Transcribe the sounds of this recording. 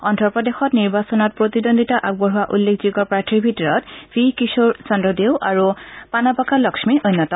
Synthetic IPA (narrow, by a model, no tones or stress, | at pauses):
ɔntɔɹpɔdexɔtniɹbasɔnɔt̚pɹotidondʱitaʔaɡ̚bɔɹɦʊwaʔulːekʰziɡɔpɹatʰɹibʱitɔɹɔtb̥ʰʱikisoɹsɔndɔdewʔaɹupanapakalɔksmiʔojnːɔtɔ